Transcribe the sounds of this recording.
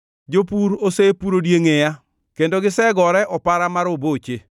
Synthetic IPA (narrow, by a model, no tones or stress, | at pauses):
d͡ʒopuɾosepuɾodjeŋeja | kendoɡɪsɛɡɔɾɛʔɔpaɾamaɾobot͡ʃe